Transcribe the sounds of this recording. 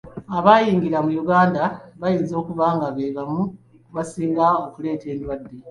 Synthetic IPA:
aβajiːŋɡilamujuɡaːndaβajiːnzo̞ːkuβaːŋɡaβe̞ːβamu | βasiːŋɡao̞kule̞ːte̞ːndwadːe

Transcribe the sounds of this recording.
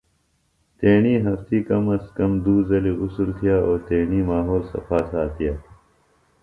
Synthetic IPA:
t̪eːɳiːɦɐft̪iːkɐmɐstkɐmd̪uːzɐliːusult̪ʰijaːʔoːt̪eːɳiːmaːɦoːlsɐ̰faːsaːt̪ʰijaː

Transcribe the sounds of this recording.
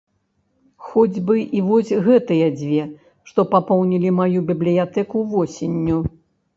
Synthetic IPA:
xɔd͡zʲbɨʔivɔsʲɣɛt̪ɨjɐd͡zʲvʲɛ | ʂt̪ɔpapɔwnʲilʲimajubʲiblʲijat̪ɛkuvɔsʲenʲːu

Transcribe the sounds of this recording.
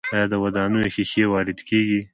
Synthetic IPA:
ɑjɑd̪əwad̪ɑnujoxexewɑːɾɪd̪keɡi

